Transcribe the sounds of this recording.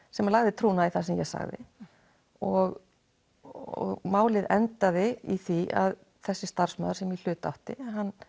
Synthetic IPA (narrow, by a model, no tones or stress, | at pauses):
sɛmalaɣðɪt̪ʰɾuːnaiθasɛmjɛ̰ɣsa̰ɣðɪ̰ | ɔɣ | ɔ̰ɣmaːwlɪðɛnt̪aðɪiθia̰ð | θɛsːɪst̪ar̥smœːðʏɾsɛmjɛl̥ʏːt̪a̰wht̪ɪ̰nɦanː